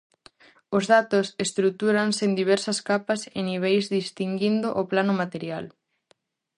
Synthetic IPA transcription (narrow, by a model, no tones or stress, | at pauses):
ozðat̪ʊsest̪ɾut̪uɾansend̪iβ̞ɛɾsɐskapaseniβ̞ejzðist̪iŋɡind̪oʔoplanʊmat̪eɾjal